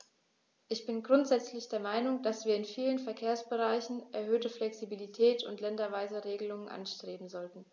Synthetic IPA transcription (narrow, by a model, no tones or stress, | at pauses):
ʔɪçb̥ɪnɡʁʊntz̥ɛt͡slɪçd̥eːɐmaɪnʊŋd̥asv̥iːɐɪnfiːlənfɛɐkʰeːɐsb̥əʁaɪçn̩ʔɛɐhøːtəflɛksibilitʰɛːtʰʊ̰ntlɛndɐvaɪzəʁeːɡəlʊŋənʔa̰nʃtʁ̥eːbm̩zɔltn̩